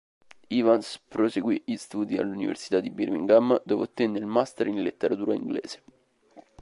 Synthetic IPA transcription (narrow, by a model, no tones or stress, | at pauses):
ivanspɾoseɡwiist̪uːd̪ia̰lːunivḛrsi̥t̪ad̪ːibirmḭŋɡamːd̪oveat̪ːɛnːeilmast̪eɾinlet̪ːeɾat̪uːɾaiŋɡlḛːze̥